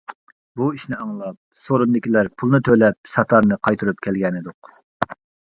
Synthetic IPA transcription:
buiʃnɪɑŋlˠɑp̚soɾund̪ɪkʲilæɾpʰulˠnɨt̪ʰølɛp̚sɑt̪ʰɑɾnɨqʰɑjt̪ʰuɾupkʲʰɛlɡʲɛnɪd̪ʊq

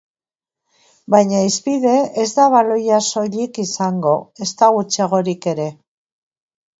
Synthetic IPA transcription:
bajɲaispiðe̞ezd̪aβalo̞jaso̞ʎikisaŋɡo̞e̞st̪aɣut͡seɣ̞o̞ɾike̞ɾe̞

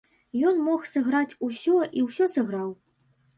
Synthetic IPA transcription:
jɔnmɔxsɐɣɾat͡sʲusʲɔʔiwsʲɔsɐɣɾaw

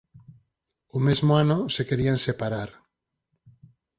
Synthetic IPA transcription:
umezmoanosekeɾiansepaɾaɾ

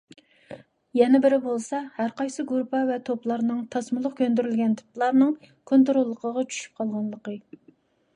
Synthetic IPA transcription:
jɛnɛbɪɾɪbolˠsɑhæɾqɑjsɨɡuɾpʰɑvɛt̪ʰoplˠɑɾnɨŋt̪ʰɑsmʊlˠʊqkʲʰønd̪yɾylɡʲɛnt̪ʰɨ̥plˠɑɾnɨŋ | kʰont̪̬ɾolˠːəqʰəʁɑt͡ʃʰy̥ʃy̥p̚qʰɑlˠʁɑnlˠəqə

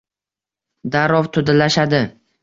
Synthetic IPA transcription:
d̪aɾɒvt̪ʰʊd̪alaʃad̪ɪ

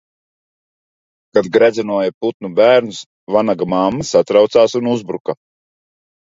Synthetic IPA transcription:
kad̪ɡɾæd̪zɛnuɔjaput̪̚nubæːɾnus | vanaɡamaːmːasat̪ɾawt̪saːsunuzbɾuka

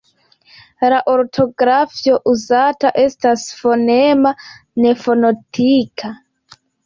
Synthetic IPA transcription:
laʔoɾtʰoɡɾafioʔuzataʔestasfonemanefonotʰikʰa

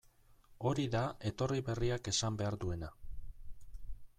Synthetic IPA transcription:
o̞ɾiðae̞t̪o̞riβe̞riake̞sambe̞aɾðue̞na

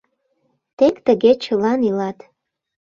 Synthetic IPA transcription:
t̪ekt̪əɡet͡ʃəlɑnilɑt̪

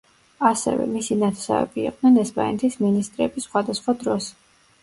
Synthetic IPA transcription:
asɛ̰vɛ̰misinat̪ʰɛ̥sa̰vɛ̰biḭq̚ʼd̥̪nɛnɛspʼa̰nɛt̪ʰisminist̪ʼɾɛbisːχwad̪asχwad̪ɾɔs

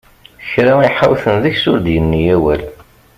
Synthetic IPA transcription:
çɾaiħawθənðəçsʊɾd̪jənːijæwæl

